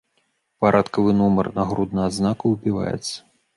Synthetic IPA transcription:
paɾʔat̪kɐvɨnumɐrnɐɣɾud̪nɐad̪znakuwbʲiva̰jɛ̰t̪sːɐ̥

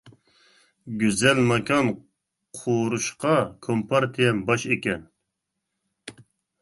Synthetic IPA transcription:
ɡʲyzɛlmɑkʰʲɑn | qʰoɾuʃqʰɑkʰompʰɑɾt̪ʰijɛmbɑʃekʲʰɛn

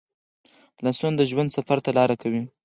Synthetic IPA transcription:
lasond̪əʒwand̪safaɾt̪alɑɾakawi

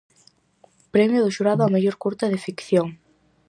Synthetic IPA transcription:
pɾɛmjʊðʊʃuɾaðʊameʎoɾkuɾt̪aðefikθjoŋ

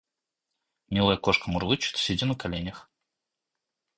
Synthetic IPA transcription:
mʲilˠəjəkoʂkəmʊrlˠɨt͡ɕɪ̥t̪sʲɪdʲinəkalʲenʲəx

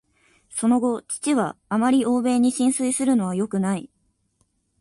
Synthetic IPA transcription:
so̞no̞ɡo̞t͡ɕi̥t͡ɕiβaːmaɾʲiʔo̞ːbe̞ːɲ̟iɕĩɰ̃sɨisɨɾɯ̟no̞β̞ajo̞kɯ̟nai

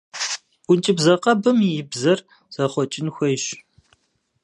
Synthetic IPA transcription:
ʔʷʊnt͡ʃʼɪbzɐqɐbɨmijɪbzɐr | z̥ɐχʷɔt͡ʃʼɪnxʷɔʃ

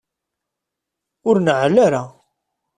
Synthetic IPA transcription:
ʊɾnəʕlaɾa

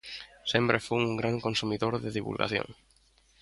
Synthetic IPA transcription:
sempɾefuuŋɡɾaŋkõnsumiðoɾðeðiβṵlɣa̰θjo̰ŋ

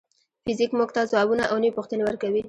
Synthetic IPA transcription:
fɪzikmuɡt̪azwɑbunaʔawnəipuxt̪ənewəɾkawi

